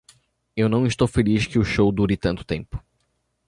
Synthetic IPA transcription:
ewnɐ̃w̃ɪst̪owfeliskɪʊʃowd̪uɾɪt̪ɐ̃nt̪ʊ̥t̪ḛ̃mpʊ̥

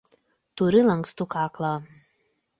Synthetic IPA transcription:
t̪ʊɾʲɪlˠɐŋkst̪ukɑːklˠɑː

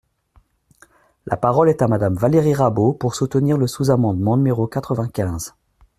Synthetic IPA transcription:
lʔa̰paʁɔlɛt̪amad̪amvaleʁiʁabopuʁsut̪əniʁləsuzamɑ̃d̪mɑ̃nymeʁokat̪χəvɛ̃kʲɛ̃z

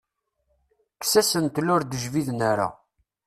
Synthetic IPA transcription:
ksæsənt̪lʊɾd̪əʒviðnaɾa̰

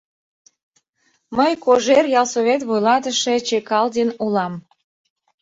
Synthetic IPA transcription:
məjkoʒerjɑlˠsoβet̪βujlɑt̪əʃe̽t͡ɕekɑld̪enulɑm

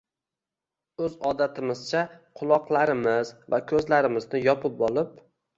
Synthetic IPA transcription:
ɵzɒd̪at̪ʰɪmɪz̥t͡ʃʰaqʰʊlˠɒqlˠaɾɪmɪzvakʲʰɵzlaɾɪmɪznɪjɒpʰɪp̚bɒlˠɪp

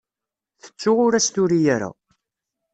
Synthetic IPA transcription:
θə̥t͡sːʊʁʊɾæst̪ʊɾijæɾæ̰

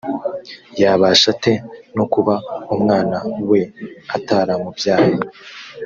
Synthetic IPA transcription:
jaːβaʃatenukuβaumŋaːnawe̞ataɾamubjaːhi

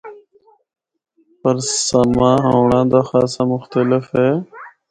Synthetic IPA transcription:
pəɾsəmãːɦoːɳãːd̪aːxaːsaːmʊxt̪əlɪfɦeː

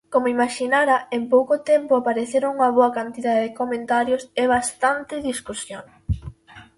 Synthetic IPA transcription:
komoimaʃinaɾɐempowkot̪ɛmpʊapaɾeθeɾouŋɐβoɐkant̪iðaðeðekomẽnt̪aɾjosɪβ̞ast̪ant̪ɪðiskusjoŋ

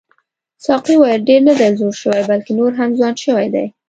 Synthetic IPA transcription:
sɑqiwajlɖeɾnad̪ajzoɾʃəwajbalkenoɾɦamzwɑnʃəwajd̪a̰j

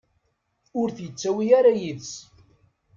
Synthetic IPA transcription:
ʊɾθjət͡sːæwiæɾajiðs

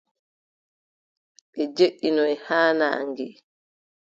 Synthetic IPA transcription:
ɓɛd͡ʒeʔːinɔɛhaːna̰ːŋɡɛ

